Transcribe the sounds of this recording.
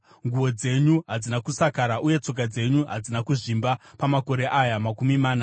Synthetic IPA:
ŋɡuwo̞d͡ze̞ɲuɦad͡zinakusakaɾaʔuje̞t͡so̞k̬ad͡ze̞ɲuɦad͡zinakuʐimbapamako̞ɾe̞ʔajamakumimaːna

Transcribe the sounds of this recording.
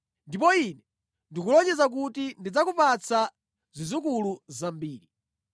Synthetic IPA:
ndip̬ɔinɛ | ndikulɔt͡ʃɛzak̬utindid͡zakupat͡sʰa | zizuk̬uluzambiːɾi

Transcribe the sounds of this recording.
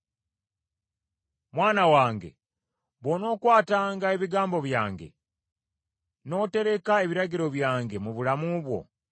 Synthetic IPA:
mwaːnawaːŋɡe̞̰ | βono̞ːkwaːtaːŋɡae̞βiɡaːmbo̞βjaːŋɡe̞̰ | no̞ːte̞ɾe̞kae̞βiɾaɟiɾo̞βjaːŋɡe̞muβulamuβwo̞̰

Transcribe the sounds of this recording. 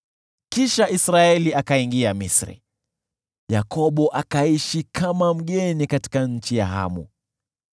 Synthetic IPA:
kiʃaisɾaɛliakaiŋɡiamisɾḭ | jakɔɓɔʔakaiʃikʰamam̩ɠɛnikati̥kaɲ̩t͡ʃija̰ɦa̰mṵ

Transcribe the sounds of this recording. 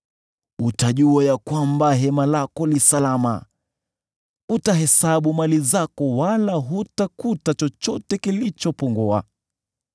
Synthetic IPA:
utaʄuajakwambaɦɛmalakɔlisalama̰ | utaɦɛsaɓumalizakɔwalaɦutakutat͡ʃɔt͡ʃɔtɛkilit͡ʃɔpɔŋɡɔa̰

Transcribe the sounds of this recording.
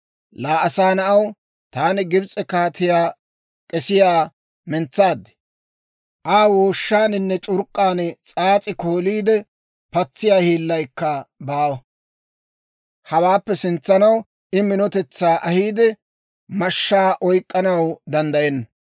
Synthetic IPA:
laːʔɐsaːnɐʔɐw | t̪aːnɪɡɪbt͡sʼɛkaːt̪ɪjaː | kʼɛsɪjaː | mɛnt͡sːaːd̪ːɛ̥ | ʔaːwoːʃːaːnɪnːɛt͡ʃʼʊɾkʼːaːnt͡sʼaːt͡sʼɪko̞ːliːd̪ɛ | pɐt͡sːɪjaːhiːlːɐjkːɐbaːwɐ | hɐwaːpːɛsɪnt͡sːɐnɐw | ʔɪmɪnɔt̪ɛt͡sːaːʔɐhiːd̪ɛ | mɐʃːaːʔɔjkʼːɐnɐwd̪ɐnd̪ɐjɛnːɐ

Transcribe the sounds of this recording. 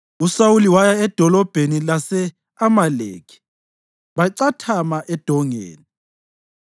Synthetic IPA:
usawuliwajaɛd̥ʱɔlɔb̥ʱenilasɛ | amalḛːkʰi̥ | βaǀatʰamaʔɛd̥ʱɔŋḛːni

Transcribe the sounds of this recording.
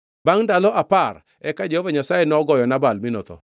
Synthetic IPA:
baŋdalɔʔapar | ɛkad͡ʒɛhɔvaɲasajenɔɡɔjɔnabalminɔ̰t̪ɔ̰

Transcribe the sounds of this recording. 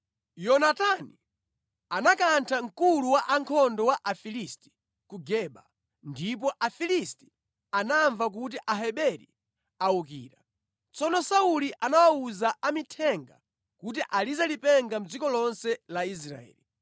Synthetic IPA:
jɔnatani | anakantʰaŋ̩kuluwaʔaŋkʰɔndɔwaʔafilisti̥ | kuɡɛɓa | ndip̬ɔʔafilisti̥ | anaɱvak̬ut̬iʔaɦɛɓɛɾḭ | aukḭːɾa | t͡sɔnɔsauliʔanawauzaʔamitʰɛŋɡa̰ | kut̬iʔalizalipɛŋɡam̩d͡zikɔlɔnsɛlais̬ɾa̰ɛ̰ːli

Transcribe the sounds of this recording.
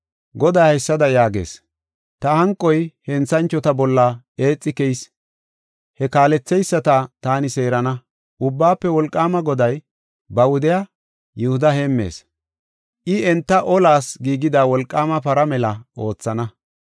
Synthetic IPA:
ɡɔd̪ajhɐjsːɐd̪ɐjaːɡe̞̰ːs | t̪ɐhɐŋkʼːɔjhɛnt͡sːɐnt͡ʃːɔt̪ɐbɔlːɐ | e̞ːt͡sʼːɪkɛjs | hɛkaːlɛt͡sːɛjsːɐt̪ɐt̪aːnɪse̞ːɾɐnɐ | ʔʊbːaːpːɛwɔlkʼːaːmɐɡɔd̪ɐj | bɐwʊd̪ɪja | jʊhʊd̪ɐheːmːe̞̰ːs | ʔɪɛnt̪ːɐʔɔlaːsɡiːɡɪd̪aːwɔlkʼːaːmɐpɐɾɐmɛlɐʔo̞ːt͡sːɐnɐ

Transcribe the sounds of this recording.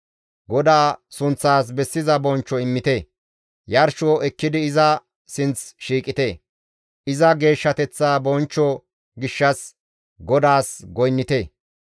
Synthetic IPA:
ɡɔd̪aːsʊnt͡sːaːs̬bɛsːɪzɐbɔnt͡ʃːɔɪmːɪt̪e | jɐɾʃoːʔɛkːɪd̪ɪɪzɐ | sɪnt͡sʃiːkʼɪt̪e | ʔɪzɐɡe̞ːʃːɐt̪ɛt͡sːaːbɔnt͡ʃːɔ | ɡɪʃːɐs | ɡɔd̪aːsɡɔjnːɪt̪eː

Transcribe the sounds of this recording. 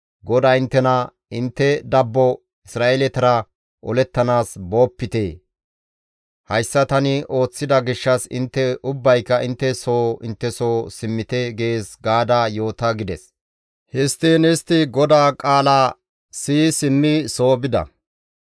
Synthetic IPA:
ɡɔd̪aːɪnt̪ːɛnɐ | ɪnt̪ːɛd̪ɐbːɔ | ɪsɾaːʔelɛt̪ɐɾɐ | ʔɔlɛt̪ːɐnaːsbo̞ːpːɪt̪eː | hɐjsːɐt̪ɐnɪʔo̞ːt͡sːɪd̪ɐɡɪʃːɐsɪ̰nt̪ːɛʊbːɐjkːɐʔɪnt̪ːɛso̞ːɪnt̪ːɛso̞ːsɪmːɪt̪ɛɡe̞ːsɡaːd̪aːjo̞ːt̪ɐɡɪd̪ɛs | hɪst̪eːnɛst̪ɪɡɔd̪aːkʼaːlaː | siːsɪmːɪso̞ːbɪd̪ɐ̰

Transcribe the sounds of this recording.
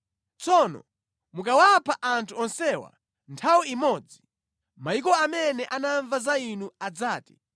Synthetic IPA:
t͡sɔnɔ̰ | mukawapʰaʔantʰuɔnsɛwa̰ | ntʰawiimɔd͡zi | maik̬ɔamɛnɛʔanaɱvazainuad͡zaːti̥

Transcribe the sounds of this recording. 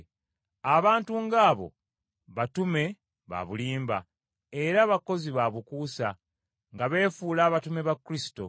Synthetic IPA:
aβaːntuŋɡaːβo̞̰ | βatume̞ | βa̰βuliːmba̰ | eɾaβako̞ziβaβukuːsa | ŋɡaβe̞ːfuːlaːβatume̞βakːuɾisi̥to̞̰

